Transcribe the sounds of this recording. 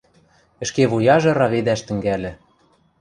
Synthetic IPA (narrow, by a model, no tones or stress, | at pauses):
ɘ̆ʃkeβujɑʒɤ̆ɾɑβed̪æʃt̪ɘ̆ŋɡælɘ̆